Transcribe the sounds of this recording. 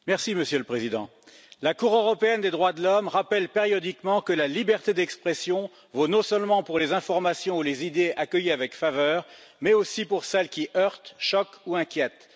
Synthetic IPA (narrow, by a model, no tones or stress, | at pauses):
mɛʁsiməsjøləpχezid̪ɑ̃ | lakuʁøʁɔpeɛnd̪ed̪ʁwad̪əlɔmʁapɛlpeʁjɔd̪ikmɑ̃kəlalibɛʁt̪ed̪ɛkspχɛsjɔ̃ | vonɔ̃sœlmɑ̃puʁlezɛ̃fɔʁmasjɔ̃ulezid̪eʔakʲəjiavɛkfavœːʁmɛosipuʁsɛlkʲiʔœʁt̪ʃɔkuɛ̃kʲjɛt̪